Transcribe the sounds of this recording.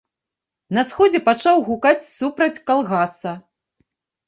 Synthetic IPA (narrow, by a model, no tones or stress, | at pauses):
nɐsxɔd͡zʲɛpat͡ʂawɣukat͡sʲsupɾɐt͡sʲkalˠɣasɐ